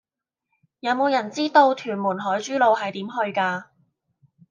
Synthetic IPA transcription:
jɐ˨˧wmo˨˧wjɐ˨˩nt͡siː˥t̪o˧wt̪ʰyː˨˩nmuː˨˩nɦɔː˨˥jt͡ʃyː˥lo˧whɐ˨jt̪iː˨˥mɦɵ˧ɥkaː˧

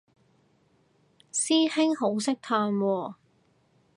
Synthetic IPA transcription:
siː˥hɪ˥ŋɦo˨˥wsɪ˥k̚t̪ʰaː˧nwɔː˧

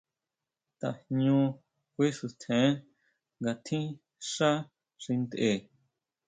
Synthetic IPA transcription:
t̪a̰˨hɲũ˧ | kʷi˦ʂu˧˨t̪ʰẽ˨˦ | ŋɡa˧t̪ʰĩ˦ | ʂa˦ | ʂi˧nd̪ʔe˨

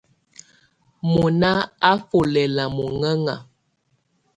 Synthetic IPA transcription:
mu˨na˦a˦fo˨lɛ˨la˨mu˨ŋɛ˦ŋa˨

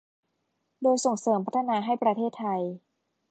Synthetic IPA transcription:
doː˧jso˨˩ŋsɤː˩˦mpʰa˦˥t̪ʰːa˧naː˧ɦa˥˩jpɾa˧t̪ʰeː˥˩t̪ʰːa˧j

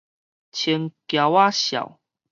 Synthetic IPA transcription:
t͡ɕʰə˧˦ŋkja˨˧wa˦ɕja̰˨˩w

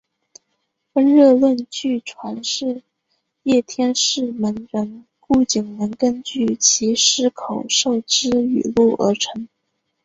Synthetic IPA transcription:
fə˥nɻɤ˥˧lwə˥˧nt͡ɕy˥˩ʈ͡ʂʰwa˧˥nʂɻ̩˥˧ | jɛ˥˩t̪ʰjɛ˥nʂɻ̩˥˩mə˧˥nɻə˧˥n | ku˥˩t͡ɕi˨˩ŋmə˧˥nkə˥nt͡ɕy˥˩t͡ɕʰi˧˥ʂɻ̩˥kʰo˨˩ʊʂo˥˩ʊʈ͡ʂɻ̩˥y̰˨˩lu˥˩ə̰˞˧˥ʈ͡ʂʰɤ˧˥ŋ

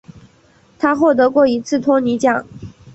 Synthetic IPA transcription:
t̪ʰa˥xwɔ˥˩t̪̬ɤ˧˥kwɔ˥˩i˧˥t͡sʰɹ̩˥˩t̪ʰwɔ˥ni˧˥t͡ɕjɑ˥˩˦ŋ

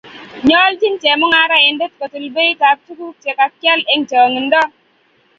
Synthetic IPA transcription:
ɲɔ˦ld͡ʒi˦nt͡ʃɛ˨mɔ˦ŋa˦ɾa˦ɛ˨nde˦tko˨tu˨lbe˦i˦ta˨ɾ̚tu˦ku˦t͡ʃɛ˨ka˨kja˦le˦ŋt͡ʃa˨ŋi˨ndɔ˦

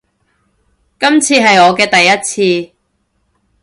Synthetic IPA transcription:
kɐ˥mt͡sʰiː˧ɦɐ˨jɔː˨˧kɛː˧t̪ɐ˨jːɐ˥t̚t͡sʰiː˧

